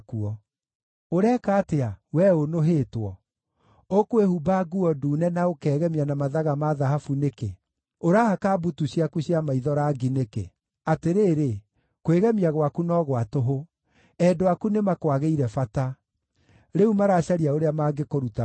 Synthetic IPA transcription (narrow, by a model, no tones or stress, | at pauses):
kuɔ | oɾɛːkaːteawɛonoɦeːtwɔ | okwehubaɡuɔduːnɛnaokɛːɣɛmianamaðaɣamaðaɦafuneke | oɾahakabutuɕiakuɕiamaiðɔɾaɡinekḛ | ateɾeːɾe | kweɣɛmiaɣwakunɔɣwatoɦo | ɛdoakunemakwaɣeiɾɛfata | ɾeumaɾaːɕaɾiaoɾeamaːɡekoɾuta